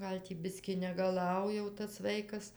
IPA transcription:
ˈɡɐlʲ tʲiː ˈbʲɪsʲkʲɪ nʲɛɡɐˈlˠɐʊ jɛʊ tɐs ˈʋɐɪkɐs

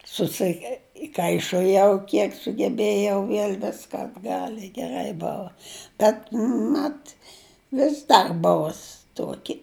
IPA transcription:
sʊsʲɪˈkɐɪʃoːjɛʊ ˈkʲiɛk sʊɡʲɛˈbʲeːjɛʊ ˈʋʲiɛlʲ ˈʋʲɪskɐ ɐdˈɡɐlʲ ɪ ɡʲɛˈrɐɪ ˈboːʋɐ ˈbʲɛt ˈmɐt ˈʋʲɪs dɐr ˈbʊʋʊs ˈtuɔkʲɪ

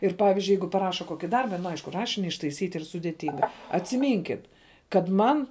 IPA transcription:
ɪr ˈpɑːʋʲɪzʲd͡ʒʲʊɪ ˈjɛɪɡʊ pɐˈrɑːʃɐ ˈkoːkʲɪ ˈdɐrbɐ nʊ ˈɐɪʃkʊ ˈrɑːʃʲɪnʲɪ ɪʃtɐɪˈsʲiːtʲ ˈiːr sʊdʲeːˈtʲɪŋɡɐ ɐtʲsʲɪˈmʲiːŋʲkʲɪt kɐt ˈmɐn kɐt mɐn

